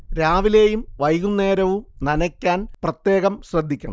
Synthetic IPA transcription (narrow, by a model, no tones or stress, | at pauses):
ɾaːʋile̞ːjumʋɐjɣunːe̞ːɾɐʋumnɐnɐkʲːaːnprɐt̪jeːɣɐmɕrɐd̪ʱːikʲːuɳɐ